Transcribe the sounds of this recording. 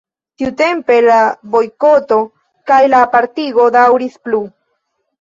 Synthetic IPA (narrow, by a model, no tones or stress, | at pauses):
t̪iut̪e̞mpe̞labo̞jko̞t̪o̞ | kajlaːpaɾt̪iɡo̞d̪awɾisplu